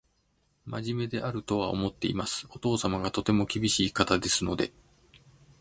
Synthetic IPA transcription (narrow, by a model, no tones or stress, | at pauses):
maʑime̞d̪e̞ʔaɾɯ̟t̪o̞β̞ao̞̰mo̞t̪ːe̞imasɨ̥o̞t̪o̞ːsamaɡat̪o̞t̪e̞mo̞kʲibʲiɕiːkat̪ad̪e̞sɨno̞d̪e̞̰